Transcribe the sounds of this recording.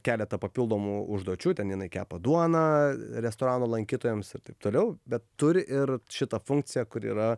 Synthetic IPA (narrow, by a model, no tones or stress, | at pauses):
kʲæːlʲɛt̪ɐpɐpʲilˠd̪oːmuːʊʒd̪uɔt͡ʃʲuːt̪ʲɛnjɪnɐɪkʲæ̰ːpɐd̪uɔnɐɾʲɛst̪oːɾɑːnoːlˠɐŋʲkʲiːt̪oːjɛmsɪɾt̪ɐɪp̚t̪oːlʲɛʊbʲɛt̪tʊɾʲʔɪrʃʲɪt̪ɐfʊŋk̚t͡s̪ʲɪjɛkʊɾḭːɾɐ